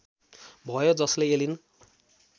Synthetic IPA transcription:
bʱʌjod͡zʌsleelin

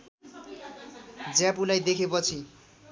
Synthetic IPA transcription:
d͡zapulajd̪ekʰepʌt͡sʰi

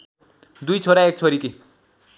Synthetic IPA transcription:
d̪ujt͡sʰoɾaek̚t͡sʰoɾiki

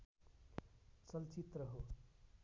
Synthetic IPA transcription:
t͡sʌlt͡sit̪rʌɦo

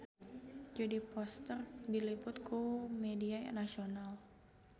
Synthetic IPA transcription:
d͡ʒadipɔst̪ərdilipʊt̪̚kumediaja̰nasional

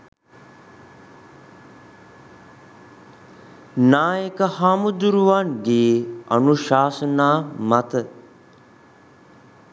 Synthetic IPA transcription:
naːjəkəhaːmud̪ɾuʋand̪iːɐ̰nuʃaːsənaːmat̪ə

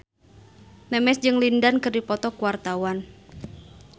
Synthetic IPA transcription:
nɛmɛsd͡ʒɨŋlindankɨrdipɔt̪ɔkuwart̪awan

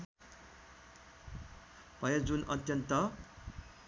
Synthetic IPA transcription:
b̥ʱʌjʌd͡zunʌ̰t̪jʌnt̪ʌ

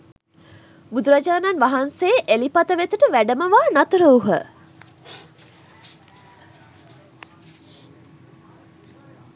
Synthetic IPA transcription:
bud̪uɾad͡ʒaːnanʋaɦanseːʔelipat̪əʋet̪əʈəʋæɖəməʋaːnat̪əɾəuɦə̰

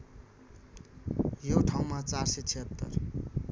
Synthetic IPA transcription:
joʈʰaw̃mat͡sarset͡sʰiɦʌt̪ːʌ̰r

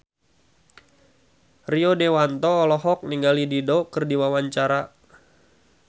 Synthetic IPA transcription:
riɔdewant̪ɔːlɔɦɔk̚niŋɡalididɔkɨrdiwawaɲt͡ʃaɾa

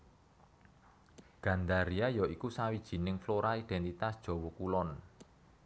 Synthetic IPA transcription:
ɡ̥ä̤nd̪aɾiajɔikusawid̥ʒ̥i̤nɪŋfloɾaid̥ɛnt̪it̪asd̥ʒ̥ɔ̤wɔkulɔn

